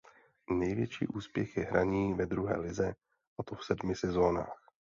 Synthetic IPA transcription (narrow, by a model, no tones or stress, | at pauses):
nɛjvjɛt͡ʃḭːʔuːspjɛxjɛɦɾʔaɲiːvɛd̪ɾuɦɛ̰ːlɪzɛ | ʔat̪ofsɛdmɪsɛzo̞na̰ːx